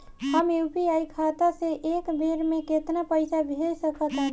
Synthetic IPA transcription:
həmjupiajkʰat̪asẽʔekbeɾmeket̪napəɪsabʱelsəkət̪ɦə

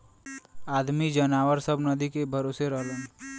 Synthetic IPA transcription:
aːd̪mid͡ʒɐnaːʋəɾsəbnɐd̪ikebʱɐɾoːseɾəɦlõː

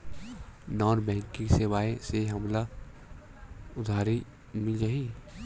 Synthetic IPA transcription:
nɔːnbɛ̃ːŋkɪ̃ŋkseʋaːeseɦɐmla | ʊd̪ʱaːɾi | mɪld͡ʒaːi

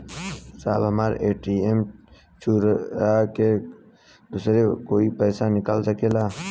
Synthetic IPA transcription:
sa̰ːbɦəmaːɾʔeːʈiːem | t͡ʃʰuːɾake | d̪uːsɾekoːipɛːsanɪkalsəkeːlaː

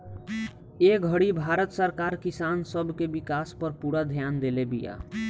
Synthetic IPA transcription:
eɡʱəɽibʱaɾət̪səɾkaɾkisansəbʱkebikaspəɾpuɽad̪ʱjand̪elebija̰

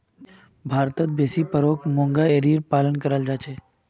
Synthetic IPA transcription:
bʱaːɾt̪ət̪̚beːsipəɾoːkʰmõːŋɡaeɾiɾpaːlənkəɾəld͡ʒaːt͡ʃʰeː

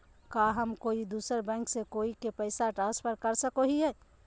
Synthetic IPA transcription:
kaɦəmkoːid̪uːsəɾbɛ̃ːŋksekoːikepɛɪsaʈɾãːnspʰəɾkəɾsəkoɦiɦɛ

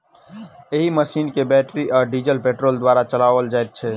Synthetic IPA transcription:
eɦiməsiːnkebɛʈɾiʔɔːɾɖid͡ʒəlpeːʈɾoːld̪waːɾat͡ʃəlaːʋəld͡ʒaɛt̪̚t͡ʃʰɛ

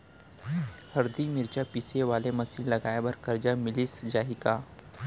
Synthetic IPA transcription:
hɐɾd̪imɪɾd͡ʒapiseʋaːlemɐsiːllːɐɡaːebɐɾkɐɾd͡ʒamɪlɪsd͡ʒaːikaː

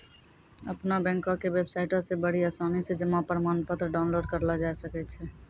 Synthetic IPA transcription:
əpnabɛ̃ːŋkõkewebsaɪʈõsebəɽ̤iasaːnised͡ʒəmːapɾəmaːnpət̪ɾəɖaʊnloːɖ̚kəɾlad͡ʒaesəkɛt̪t͡ʃʰɛ

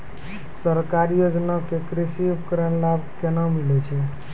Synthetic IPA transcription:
səɾkaɾijod͡ʒnakekɾisiupkəɾənlabkenəmilɛt͡ʃʰɛ

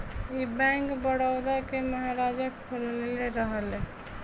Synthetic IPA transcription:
ibɛ̃ŋkbəɽawd̪akeməɦaɾad͡ʒapʰolneleɾəɦəle

